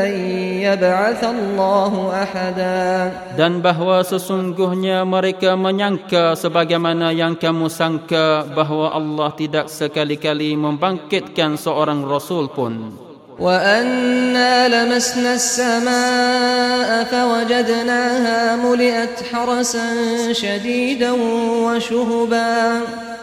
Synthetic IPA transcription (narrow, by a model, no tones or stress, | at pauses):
ajjabʕaθalːɑːɦʊʔaħad̪aː | danbaɦwasəsuŋɡʊhɲaməɾekaməɲaŋkasəbaɡajmanajaŋkamusaŋkabaɦwaʔɑlːɑht̪idak̚səkalikalimə̃mbaŋkɪt̪̚kansəoɾaŋrɔsʊlpʊn | wʔaʔanːaːlamasnasːamaː | ʔafawad͡ʒad̪naːɦaːmʊlɪʔat̪ħɑɾˤɑsanʃad̪iːd̪anwaʃʊɦbaː